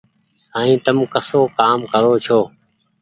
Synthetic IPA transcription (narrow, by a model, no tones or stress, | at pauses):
sãːĩːt̪əmkəsoːkaːmkəɾoːt͡ʃʰoː